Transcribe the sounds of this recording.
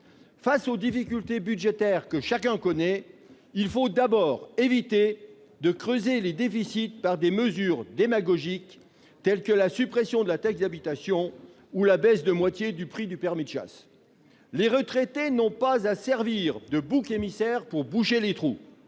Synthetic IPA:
fasod̪ifikʲylt̪ebydʒet̪ɛʁkəʃak̬ɛ̃kɔnɛ | ilfod̪abɔːʁevit̪e | d̪əkχøzeled̪efisit̪paʁd̪eməzyʁd̪emaɡɔʒik | t̪ɛlkəlasypχesjɔ̃d̪əlat̪ɛkd̪abit̪asjɔ̃ | ulabɛsd̪əmwat̪jed̪ypχid̪ypɛʁmid̪ʃa̰s | leʁət̪χet̪enɔ̃pazasɛʁviʁd̪əbukemisɛʁpuʁbuʃelet̪χu

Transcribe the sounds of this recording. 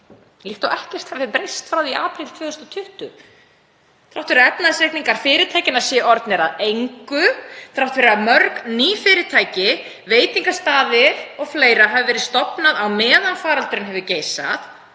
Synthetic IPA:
lɪht̪awʔɛhcɛr̥t̪hɛvɪpɾejst̪fɾaːwðiaːpɾilt̪v̥œːʏst̪ɔt̪ʰʏht̪ʏ | θɾawht̪fɪɾɛpnaðsɾehkniŋkaɾ̥fɪːɾɪt̪ʰajcɪnḁsjɛʔɔɾt̪nɛɾaðejŋkʏθɾawht̪fvɪɾɪamœɾkniːfɪɾɪt̪ʰaːjcɪ | veːjt̪iŋkast̪aːðɪɾɔɣfleːjɾaɦaːvɪvɛːɾɪðst̪ɔpnaðawmɛːðanfaːɾalt̪ʏɾɪnɦɛvɪceːjsa̰θ

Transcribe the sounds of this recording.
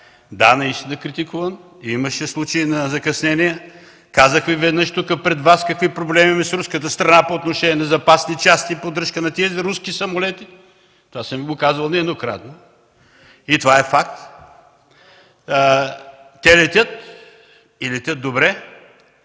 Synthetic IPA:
d̪anɐist̪inɐkɾit̪ikuvɐn | iməʃɛslˠut͡ʃəinɐzɐkɐsnɛnijə | kazəxvivɛd̪nəʃt̪ukəpɾɛd̪vaskɐkvipɾoblɛmiimɛsɾuskət̪əst̪ɾɐnapoːt̪noʃɛniɛnɐzɐpasnit͡ʃast̪ipod̪ɾɤʃkənɐt̪iəzɾuskisɐmolɛt̪i | t̪ovasəmiɡokazvɐlˠnɛd̪nokɾa̰t̪no | it̪ovaɛfakt̪ | ɛlɛt̪ʲət̪ | ilɛt̪ʲət̪̚d̪obɾɛ

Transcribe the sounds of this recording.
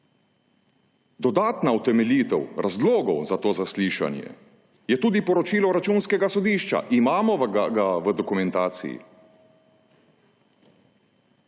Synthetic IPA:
d̪ɔd̪aːt̪naut̪ɛmɛlʲiːt̪ɛwɾazloːɡɔwzat̪oːzasliːʃa̰njɛ̰ | jɛt̪uːd̪ipɔɾɔt͡ʃiːlɔɾat͡ʃuːnskɛɡasɔd̪iːʃt͡ʃa̰ʔimaːmɔʋɡaɡaʋəd̪ɔkumɛnt̪aːt̪sḭjḭ

